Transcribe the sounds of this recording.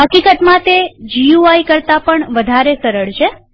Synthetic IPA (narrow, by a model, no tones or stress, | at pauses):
ɦəkikət̪mãt̪ed͡ʒiuaikəɾt̪apəɳʋəd̪ʱaɾesəɾəɭt͡ʃʰe